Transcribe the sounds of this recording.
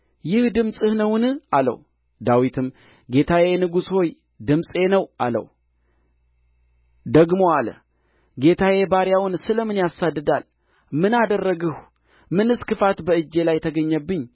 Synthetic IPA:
jɪhd̪ɨmsʼɨhnəwnɨalə̰w | d̪awit̪ʰɨm | ɡe̞t̪ʰawenɨɡusho̞j | d̪ɨmsʼe̞nəwʔa̰lə̰w | d̪əɡmo̞alə̰ | ɡe̞t̪ʰawebaɾjawʊnsɨləmɨnjasad̪ːɨd̪al | mɨnad̪ərːəɡəh | mɨnɨskɨfat̪bəɨd͡ʒːe̞lajt̪ʰəɡəɲːəbːɨɲː

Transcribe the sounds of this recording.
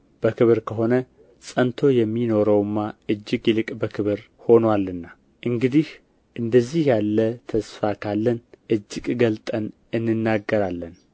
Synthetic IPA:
b̥əkʰɨβɾkʰəɦo̞nə | sʼənt̪ʰo̞jɛmːino̞ɾəwɨmːaɨd͡ʒːɨɡlɨkʼbəkʰɨβɨɾ | ho̞nwalːɨnːa | ʔɨŋɡɨd̪ih | ʔɨnd̪əzːihjalːət̪ʰəsfakʰalːənʔɨd͡ʒːɨkʼɡəlt̪ʼən | ɨnːɨnːaɡːəɾalːən

